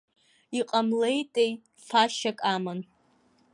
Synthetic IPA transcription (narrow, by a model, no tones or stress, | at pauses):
iqʼamle̞jtʼej | faʃakʼamɨn